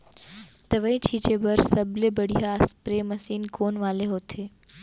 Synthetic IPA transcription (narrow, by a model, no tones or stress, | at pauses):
t̪ɐʋəit͡ɕʰiːt͡ʃebəɾsɐblebəɽijaspɾemɐsiːnkoːnʋaːleɦoːt̪ʰeː